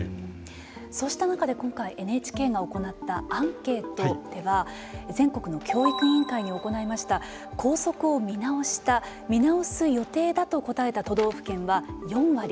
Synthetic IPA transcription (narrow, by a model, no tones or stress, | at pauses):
so̞ːɕi̥t̪anakad̪e̞kõ̞ŋkaiʔe̞neːt͡ɕi̥ke̞ːɡao̞ko̞nat̪ːaãŋke̞ːt̪od̪̥e̞βa | zẽ̞ŋko̞kɯ̟no̞kʲo̞ːikɯ̟ɲĩŋkaiɲ̟io̞ko̞naimaɕi̥t̪a | kʰo̞ːso̞kɯ̟o̞mʲinao̞ɕi̥t̪a | mʲinao̞sɨjo̞t̪e̞ːd̪at̪o̞ko̞t̪ae̞t̪at̪o̞d̪o̞ːɸɯ̟̥kẽ̞ɰ̃βajõ̞ɰ̃βaɾʲi